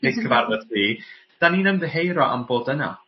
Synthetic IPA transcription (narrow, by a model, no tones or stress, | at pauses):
ɪkʰəvarvəd̥riː | d̥aniːnənðəɦejɾɔʔa̰mboːdəna̰